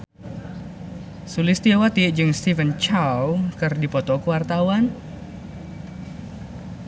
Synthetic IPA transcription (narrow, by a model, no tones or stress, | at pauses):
sulɪst̪iawat̪iʔd͡ʒɨŋst̪ivənt͡ʃawkɨrdipɔt̪ɔkəwart̪awan